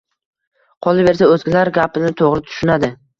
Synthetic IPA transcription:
qʰɒlˠɪve̞ɾs̬aɵzɡʲɪlaɾɡʲapɪnɪt̪ʰoʁɾɪt̪ʰʊ̥ʃʊnad̪ɪ

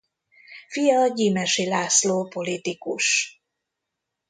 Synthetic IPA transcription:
fijɒɟiːmɛʃilaːsloːpo̞lit̪ikuʃ

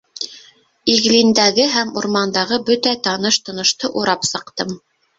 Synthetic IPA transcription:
iɣlind̪æɣɘɦæmuɾmɑnd̪ɑʁɤbɵt̪æt̪ɑnɤʃt̪ŏnɤ̆ʃt̪ɤʔuɾɑpsɤ̆qt̪ɤm

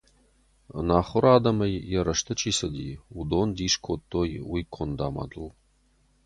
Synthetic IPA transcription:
naːχʷʊɾaːd̪ɐmɐjjɛɾɐʂt̪ʰɨt͡ʃʼʰiːsɐd̪iud̪ond̪iːʂkʰot̪ʰːojwikʷʰʊnd̪a̰ːma̰d̪ɨl

